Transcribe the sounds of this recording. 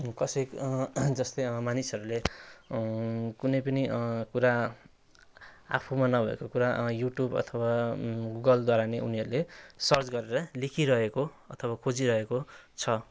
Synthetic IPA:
kʌsʌkd͡zʌst̪ʌjmanisʌɾule | kunʌjpʌniʔkuɾa | a̰pʰumanʌbʱʌḛkokuɾajuʈjubʌ̰t̪ʰʌwaɡuɡʌld̪waɾaneuniɦʌɾulesʌrt͡sɡʌɾeɾʌlekʰiɾʌɦeko | ʌt̪ʰʌwakʰod͡ziɾʌɦekot͡sʰʌ

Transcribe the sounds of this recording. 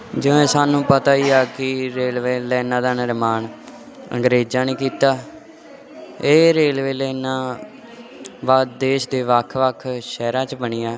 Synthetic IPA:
d͡ʒɪʋɛ̃ːsaːnũːpət̪aːiːaːkɪɾeːlʋeːlɛːnãːd̪aːnəɾmaːn | ə̰ŋɡɾeːd͡ʒãːnĩːkiːt̪aː | eːɾeːlʋeːlɛːnãː | ʋad̪eːʃd̪eːʋəkʰʋəkʰʃɛːɾãːt͡ʃbəɳiːaː

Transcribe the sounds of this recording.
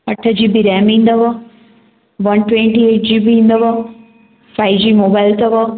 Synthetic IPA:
ɐʈʰəd͡ʑiːbiɾɛːmĩːn̆d̪əʋɐ | ʋɐnʈwẽɳʈieːʈ̚d͡ʑiːbĩːnd̪əʋɐ | faːɪd͡ʑiːmoːbaːɪlt̪ɐʋɐ

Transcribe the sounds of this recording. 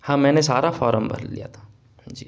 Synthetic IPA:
hãːmɛ̃ːnesaːɾafɔːɾəmbʱɐ̰ɾlḭja̰t̪ʰḁ | d͡ʒiː

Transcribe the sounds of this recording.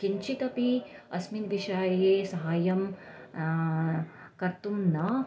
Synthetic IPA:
kiɲt͡ʃit̪ɐpiɐ̰sminʋiʃaːjɐjeːsɐɦaːjɐm | kɐɾt̪umnɐ

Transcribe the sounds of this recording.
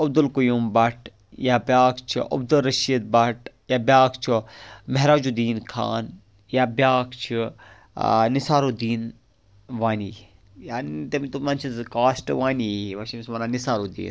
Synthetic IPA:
ɐbd̪ulkujumbɐʈ | jaːbʲjaːkt͡ʃʰiʔɐ̰b̚d̪ulɾɐʃiːd̪̚bɐʈ | jaːbjaːkt͡ʃʰimeɦɾaːd͡ʒud̪iːnkʰa̰ːn | jaːbʲjaːkt͡ʃʰi | nisaːɾud̪iːn | ʋaːniː | jaːnit̪ɐmit̪umaːnt͡ʃʰizkaːsʈʋaːniʋɐʃimismɐnaːnisaːɾuːd̪ḭːn

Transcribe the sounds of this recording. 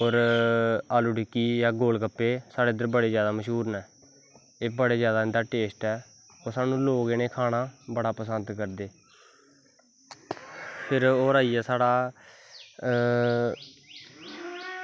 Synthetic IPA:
oːɾ | aːluɖɪkːiːjaːɡoːlkəpːeːsaːɽeːd̪əɾbəɽeːzjaːd̪aːməʃɦuːɾnɛː | eːbəɽeːzjaːd̪aːɪnd̪aːʈeːsʈɛː | oːɾsaːnũːloːɡeːneːkʰaːnaːbəɽaːpəsənd̪kəɾd̪eː | pʰɪɾoːɾaːiːɛːsaːɽaː

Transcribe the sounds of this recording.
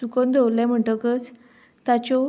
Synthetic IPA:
ukond̪ʱowlɛ̃m̤əʈəkət͡s | t̪at͡ɕɔ

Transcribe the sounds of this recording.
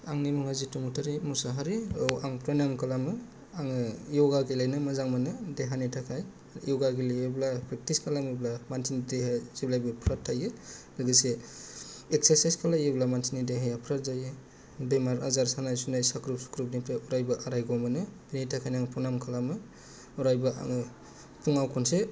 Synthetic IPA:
aŋnimuŋazitumutʰaɾimusaɦaɾiawʔaŋpɾonamkʰalamɯ | aŋɯjɔɡaɡilajnɯmazaŋmanɯdeɦanitʰakʰaj | jɔɡaɡilejeblapɾek̚tiskʰalamiblamantʰinideɦaziblajbɯpʰɾatʰːajɯlɯɡise | ek̚seɾsajskʰalajeblamansʰinideɦajapʰɾat̚zajɯ | bemaɾa̰zaɾsanajsunajsakɾup̚su̥kɾup̚nipʰɾeʔuɾajbɯʔaɾajɡɔmɯnɯbinijtʰakʰajnaŋpɾonamkʰalamɯ | ɔɾajbɯʔa̰ŋɯ | tʰuŋawkʰɔnse

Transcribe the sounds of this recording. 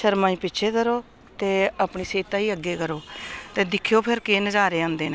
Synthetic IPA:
ʃəɾmãːĩːpɪtːʃʰeːkəɾoː | t̪eːapɳiːseːt̪aːiːəɡːeːkəɾoːt̪eːd̪ɪkʰjoːpʰɪɾkeːnəd͡ʒaːɾeːãːnd̪eːne

